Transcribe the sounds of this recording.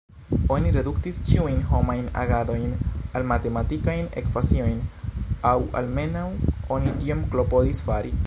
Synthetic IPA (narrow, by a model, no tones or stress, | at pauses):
o̞niɾe̞duktist͡ʃiujnɦo̞majna̰ɡado̞jnalmate̞matikajne̞̰kfasio̞jnawa̰lme̞nawo̞nitiomklo̞po̞disfaɾi